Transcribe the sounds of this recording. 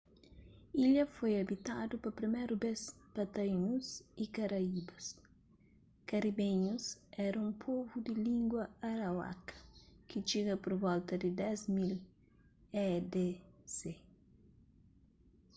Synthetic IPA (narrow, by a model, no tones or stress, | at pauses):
iʎɐfojɐbit̪ad̪upɐpɾimɛjɾubespɐt̪ɐinusikɐɾɐibɐs | kɐɾibẽɲusɛɾɐũmpʰovud̪ɪlĩŋɡwɐaɾawa̰kɐ̥kit͡ʃiɡɐpoɾbɔlt̪ɐd̪ɪd̪ɛzmil | ɛd̪ese